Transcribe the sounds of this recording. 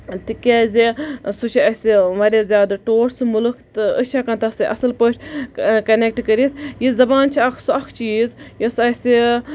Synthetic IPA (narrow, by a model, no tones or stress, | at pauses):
t̪ikʲaːzesut͡ʃʰiɐsiʋɐɾʲezʲjaːd̪ɐʈoːʈsɨmulɨkʰt̪ɨəʃʰaːkant̪ɐsɨʔɐ̰sɨlpəːt͡ʃʰʲkɐnek̚ʈkəɾit̪ʰjizɐbaːnt͡ʃʰiɐkʰsuɐkʰt͡ʃiːzjosɐsi